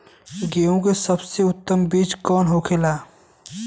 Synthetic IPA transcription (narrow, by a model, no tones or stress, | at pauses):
ɡeːõkesɐbseʊt̪ːəmbiːd͡ʒkɔːnɦoːkʰeːlaː